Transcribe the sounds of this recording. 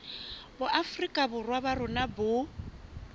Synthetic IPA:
bʊʔafrikʼabʊrwaβarʊnabʊ

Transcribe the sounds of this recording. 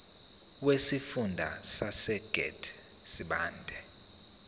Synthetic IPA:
wesifundʱa̰sasɛɡ̥ʱɛ̰dʰ | siɓaːndʱɛ

